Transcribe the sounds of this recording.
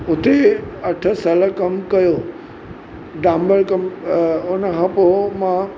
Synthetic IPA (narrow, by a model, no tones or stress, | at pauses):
ʊt̪eɐʈʰəsələkɐmkɐjo | ɖãmbəlkɐmʊnəɦɐpomã